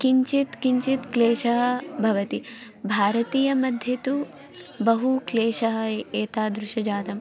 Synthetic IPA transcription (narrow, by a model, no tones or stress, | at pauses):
kiɲt͡ʃit̪kiɲt͡ʃit̪kleːʃɐɦɐ̆bʱɐʋɐt̪i | bʱaːɾɐt̪iːjɐmɐd̪ʱjɐt̪u | bɐɦukleːʃɐɦɐ̆eːt̪aːd̪ɾuʃɐd͡ʒaːt̪ɐm